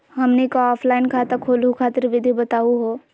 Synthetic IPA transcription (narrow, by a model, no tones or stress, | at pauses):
ɦɐmnekaɔːpʰlaːɪnkʰaːt̪əkʰoːlukʰaːt̪ɪɾʋɪd̪ʱibɐt̪aːuɦoː